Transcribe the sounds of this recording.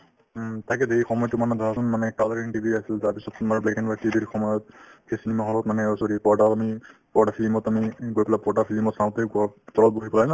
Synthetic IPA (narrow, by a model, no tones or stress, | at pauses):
t̪ʰakɛd̪eixɔmɔjɔtumanɛd̪ʱaasɔnmanɛkalaɹiɳʈibʱiasiltaɹpisɔtmaɹblɛkɛnpaʈibixɔmɔjɔt̚kʰesinimaɦɔlɔtmanɛosoɹipɔɹdaamipɔɹʈapʰilimɔtamiɡojpɛlapɔɹdafʰilimɔtsanɔteɡt̪ɔlɔt̚boɦipɔlalã